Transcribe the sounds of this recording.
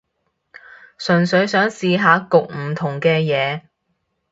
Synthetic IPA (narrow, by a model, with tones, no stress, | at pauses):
sɵ˨˩nsɵ˨˥ɥsœː˨˥ŋsiː˨˧ɦaː˨˧kʊ˨k̚m̩˨˩t̪ʰʊ˨˩ŋkɛː˧jɛː˨˧